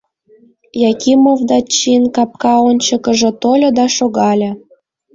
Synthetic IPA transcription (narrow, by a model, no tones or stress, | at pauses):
jɑkʲimovd̪ɑt͡ɕːinkɑp̚kɑonʲt͡ɕɤ̆kə̆ʒɤ̆t̪olʲɤ̆d̪ɑʃoɣɑlʲɤ̆